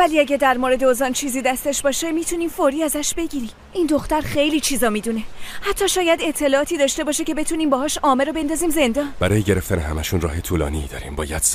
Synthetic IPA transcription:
væliæɟæɾd̪æɾmoɾe̞d̪eozɒnt͡ʃʰiːziːd̪æst̪e̞ʃbɒːʃemiːt̪ʰuniːmfoɾiːæzæʃbe̞ɟiːɾim | ʔind̪oxt̪æɾχe̞jliːt͡ʃʰiːzɒːmiːd̪une̞hæt̪ʰːɒːʃɒːjæd̪e̞t̪ʰːe̞lɒːɒːt̪ʰiːd̪ɒːʃt̪e̞bɒːʃecʰe̞be̞t̪ʰuniːmbɒhɒːʃɒːmeɾɔbend̪ɒziːmze̞nd̪ɒːnbæɾɒːjeɟe̞ɾeft̪ænehæmæʃunrɒ̰ːɦe̞t̪ʰuːlɒ̰ːnid̪ɒ̰ːɾimbɒːjæd̪̥s

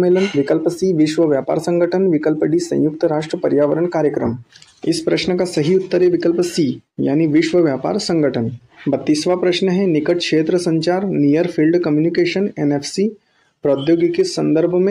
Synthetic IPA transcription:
meːlənʋikəlpəsiːʋiʃʋəʋjapa̰ːɾsə̃ŋɡəʈʰənʋikəlpəɖisɐ̰̃j̃juk̚t̪əɾaʂʈɾəpɐɾjaːʋəɾəɳkaːɾjəkɾəmɪspɾəʃnəkasɐɦiut̪ːəɾeʋikəlpəsiːja̰ːniʋɪʃʋəʋjaːpa̰ːɾsə̃ŋɡəʈʰən | bɐt̪ːisʋapɾəʃnəɦenikəʈ̚kʂeːt̪ɾəsə̃ɲt͡ʃaːɾnijəɾfʰilɖkəmjunikeʃənenefʰsi | pɾəd̪joːɡikesɐ̃nd̪əɾbʱəmẽ

